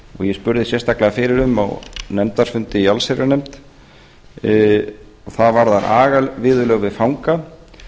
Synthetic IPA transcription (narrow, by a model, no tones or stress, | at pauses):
ɔ̰ɣjɛspʏɾðɪsjɛst̪aklɛɣafɪɾɪɾʏma̰wnɛmt̪aɾ̥fʏnt̪ɪialseɾanɛmt̪ | ɔθaðvaɾðanʔaːɣavɪːðʏlœɣvɪðfawŋka